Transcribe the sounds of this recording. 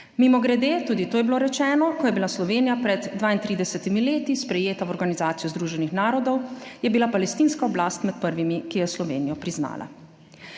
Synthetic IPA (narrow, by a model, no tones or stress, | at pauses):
mimɔɡɾɛd̪eːt̪uːd̪it̪oːjɛbiloɾɛt͡ʃɛːnɔkɔjɛbilaslɔʋeːnijapɾɛd̪ːʋaːint̪ɾiːd̪ɛsɛt̪imileːt̪ispɾɛjeːt̪awɔɾɡanizaːt̪sijuzd̪ɾuːʒɛnixnaːɾɔd̪ɔwjɛbilapalɛst̪iːnskaɔblaːst̪mɛt̪̚pəɾʋimikijɛslɔʋeːnijɔpɾizna̰ːla̰